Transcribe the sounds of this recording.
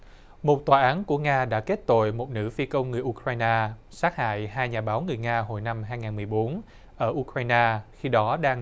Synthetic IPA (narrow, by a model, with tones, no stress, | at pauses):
mo˨˩t̚t̪waː˨˩ʔaː˨˦nku˧˩əŋaː˧ɗa̰ː˧˥ke˦˥t̚t̪o̰˧˨jmo˨˩t̚nɨ̰˧˥fi˧kə˧wŋ͡mŋɨ˨˩əʔu˧kɾaː˧jnaː˧saː˦˥t̚ha̰ː˧˨jɦaː˧jɲaː˨˩ɓaː˨˦wŋɨ˨˩əjŋaː˧ɦo̰˧˨jna˧mɦaː˧jŋaː˨˩nmɨ˨˩əjɓo˨˦n | ʔəː˧˩ʔu˧kɾaː˧jnaː˧xi˧ɗɔ˨˦ɗaː˧ŋ